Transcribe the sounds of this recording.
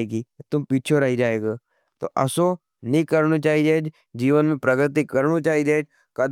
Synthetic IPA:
eːɡiːt̪ʊmpiːt͡ʃʰoɾɐɦid͡ʒaːeːɡaː | t̪o̰ʔɐso | nĩkəɾnot͡ʃaːid͡ʒed͡ʒ | d͡ʒiːʋənmẽpɾɐɡɾɪt̪̬ikɐɾnot͡ʃaːid͡ʒeːd͡ʒ | kɐd̪

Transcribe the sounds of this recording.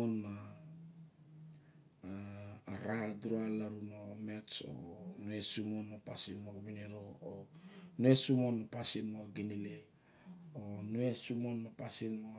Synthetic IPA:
onma | ɾadɾoalaɾunomeso̰nuesumonmapasinmoaβiniɾoːnuesumonmapasinmoaɡinile | onuesumonmapasinmo

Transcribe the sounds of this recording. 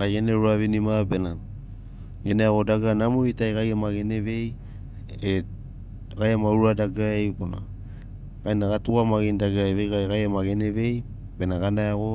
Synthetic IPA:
ɡajeneɾuavinimabe̞na | ɡeneaɡo̞daɡanamoitajɡajamaɡene̞ve̞j | e | ɡajamaɾuɾadaɡajbona̰ | ɡajnaɡatuamaɡindaɡajvejɡajɡajamaɡeneve̞j | be̞naɡanajaɡo̞

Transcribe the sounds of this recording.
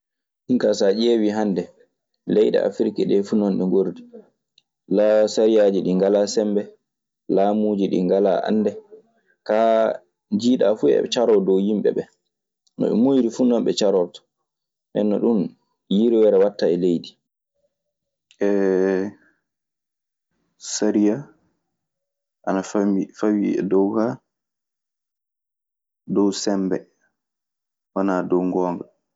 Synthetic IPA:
ɗiŋkasad͡ʒeːwiɦandɛ | lɛjɗɛ̰a̰fɾikaɗɛfunɔnɗɛŋɡoɾdi | lasaɾijaːd͡ʒiɗiŋɡalasɛmbɛ | laːmuːd͡ʒiɗḭŋɡala̰ʔa̰nːdɛ | ka | d͡ʒiːɗafuɛ̰t͡ʃaɾɔdɔwjimɓɛ̰ɓɛ | nɔ̰ɗṵmːojɾifunɔmɓɛt͡ʃaɾɔɾtɔ̥ | mɛ̰nːɔɗun | jiɾiwɛɾɛwatːaɛlejdi | ʔɛ | saɾija | ʔanaifawiɛ̰dɔwka | dɔwsɛmbɛ̰ | wanadɔwŋɡɔːŋɡa

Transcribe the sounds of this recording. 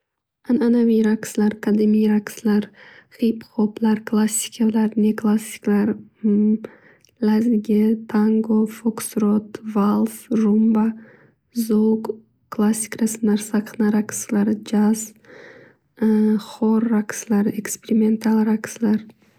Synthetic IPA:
ananaviɾakslaɾkʰad̪ɪmijɾakslaɾχipχoplaɾkʰlˠasʲːi̥kʲʰalaɾneklˠasʲi̥klaɾ | lazɡʲɪt̪ʰaŋɡofoksɾot̪valˠfʒumba | zok | klˠasʲːi̥kɾasɨnaɾsaqʰnaɾakslaɾd͡ʒaz | χɔɾːakslaɾekspeɾime̞nt̪ʰalˠɾakslaɾ

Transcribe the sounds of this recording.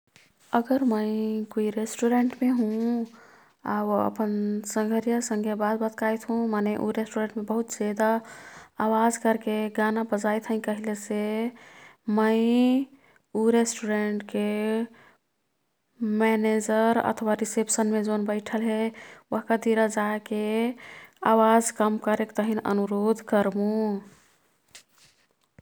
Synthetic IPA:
əɡəɾməikoiɾesʈuɾeɳʈmeɦũ | a̰ə̰pənsə̃ŋɡʱəɾijasə̃ŋɡʱebad̪bət̪kajt̪ɦũmaneʔṵɾesʈuɾeɳʈmẽbəɦut̪zed̪aː | wad͡ʒkəɾkeɡanabəd͡ʒajt̪ʰɦə̃ĩkəɦilese | məɪ | uɾesʈuɖɾeɳʈke | mɛned͡ʒəɾə̰t̪ʰwaɾisepsənmed͡ʒonbəɪʈʰəlɦeəɦkad̪iɾad͡ʒake | awad͡ʒkəmkəɾekt̪əɦinə̰nuɾod̪ʱkəɾbũ

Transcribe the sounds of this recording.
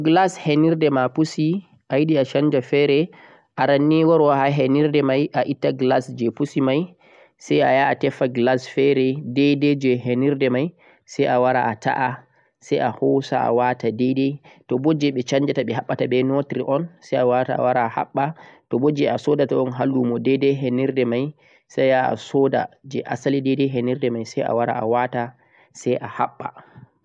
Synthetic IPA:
ɡlasheniɾdɛmapusi | ʔajiɗiaʃaɲd͡ʒafɛɾɛ | ʔaɾanːiwɔɾwaɦaɦeniɾdɛmajʔaʔitːaɡlasd͡ʒɛpusimaj | sajajaːtɛfaɡlasfɛɾɛdɛjdɛd͡ʒɛɦeniɾdɛmaj | sajʔawaɾa̰ʔata̰ʔa | sajahɔsa̰a̰watadɛjdɛjtɔbod͡ʒɛɓɛt͡ʃaɲd͡ʒataɓɛɦaɓːatabɛnotɾiʔɔnsajawataa̰waɾaːha̰ɓːatɔbod͡ʒɛasɔdataɔnɦalːumɔdɛdɛɦeniɾdɛmaj | sajaa̰sɔda̰d͡ʒɛʔa̰salidɛdɛɦeniɾdɛmajsaja̰waɾa̰ʔa̰wata | sajʔahaɓːa̰

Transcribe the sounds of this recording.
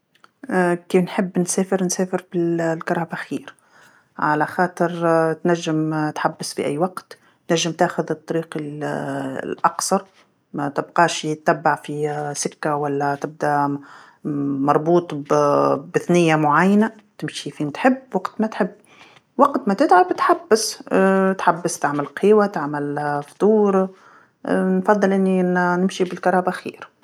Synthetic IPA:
kiːfnħɪbːnsæːfɪɾnsæːfɪɾbɪllkɑɾˤɑːbaxiːɾ | ʕa̰laxɑːt̪ˤɨɾt̪næʒːɪmt̪ħabːɪsfiʔæ̰jːwɑqt̪ː | næʒːɪmt̪æːxʊðɨt̪ˤːɑɾiːqɪ | lʔɑksˤɑɾˤ | mæt̪ɪbqɑːʃt̪ːæbːaʕfisɪkːawælːæt̪ɪb̚d̪æ | mɑɾˤbuːt̪ˤ | bɪθnɪjːamʊʕajːana | t̪ɪmʃifiːnt̪ħɪbːwɑqt̪mæt̪ħɪbː | wɑqt̪mat̪ɪt̪ʕabt̪ħabːɪst̪ħabːɪst̪aʕmɪlqʰiːwat̪aʕmɪlft̪ˤuːɾ | nfɑðˤːɨlʔɪnːinɪmʃibɪlkɑɾˤɑːbaxḭːɾ

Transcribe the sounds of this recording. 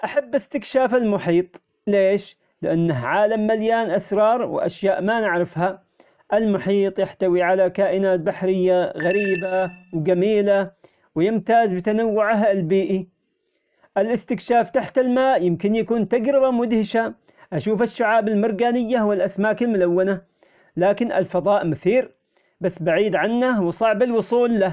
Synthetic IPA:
ʔaħabːʔɪst̪ɪkʃaːfalmʊħiːt̪ˤ | leːʃ | lɪʔanːaɦʕaːlamːaljaːnʔasɾˤɑːɾˤwɪ̰ʔa̰ʃjaːʔmanɪʕɾɪfha | ʔɪlmʊħiːt̪ˤjaħt̪awiʕalakaːʔɪnaːt̪̚baħɾɪjːaɣaɾiːbawɡamiːla | wjɪmt̪aːzbɪt̪anawːʊʕɦlbiːʔi | ʔɪlʔɪst̪ɪkʃaːft̪aħt̪ɪlmaːʔjɪmkɪnjakuːnt̪aɡɾɪbamʊd̪hɪʃa | ʔaʃuːfɪʃːʊʕaːbɪlmɪɾˤɡaːnɪjːawɪlʔasmaːkɪlmʊlawːana | laːkɪnʔɪ̰lfɑðˤɑːʔmʊθiːɾ | basːbaʕiːd̪ʕanːawsˤɑʕbɪlwʊsˤuːlːa

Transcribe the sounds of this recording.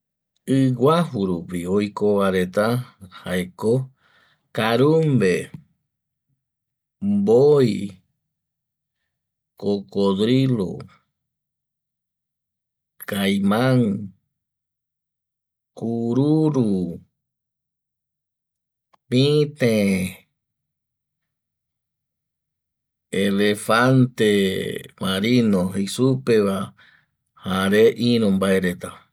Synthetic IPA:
ɨɡahuɾupiojkoʋaɾet̪ahaeko | kaɾumbe | mboj | kokoðɾilo̰ | kajmãŋ | kuɾuɾu | pĩt̪ẽ | elefant̪emaɾinohesupeʋa | haɾeʔĩɾõmbaeɾet̪a

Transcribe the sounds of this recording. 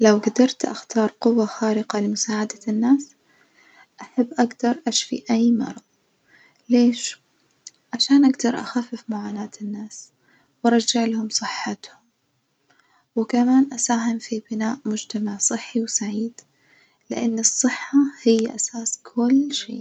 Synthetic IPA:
lawɡad̪ɑɾˤt̪ʔa̰xt̪ɑːɾˤqʊwːaxaːɾɪqalɪmʊsaːʕad̪anːaːs | ʔaħabːʔaɡd̪ɑɾˤʔaʃfḭʔajːmɑ̰ɾˤɑðˤ | leːʃ | ʕaʃaːnʔaɡd̪ɑɾˤʔa̰xafːɪfmʊʕaːnaːt̪ɪnːaːs | wɑɾˤɑd͡ʒːaʕlahʊmsˤɨħːat̪hʊm | wɪkamaːnʔasaːɦɪmfibɪnaːʔmʊd͡ʒt̪amaʕsˤɨħːiwsaʕiːd̪ | lɪʔanːɨsˤːɨħːahɪjːʔasaːskʰʊlːʃḛː

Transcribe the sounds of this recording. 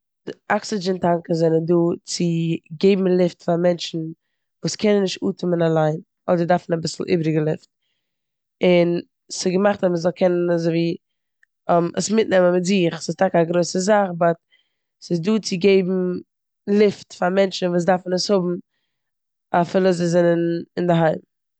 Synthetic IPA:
aksɪd͡ʒɛntaŋkəzɛnənduːt͡sɪɡeɪbm̩lˠɪftfamɛnt͡ʃn̩ | vuːskʰɛnənːɪʃtuːtʰʊmənalˠaɪn | ɔdəɾdaɾfn̩abɪsl̩ˠʔḭːbɾɪɡəlˠɪft̚ | ɪn | sɪɡəmaχtaməzɔlˠkʰɛnənazoɪviː | mə̰smɪtnɛməmɪtzɪχsɪstakaɡɾoɪsəzaχbat | sɪzduːt͡sɪɡeɪbm̩ | lˠɪftfamɛnt͡ʃn̩vuːs̬daɾfn̩əshʊbm̩ | afɪlˠəzɔzɛnənɪndɪɦaɪm

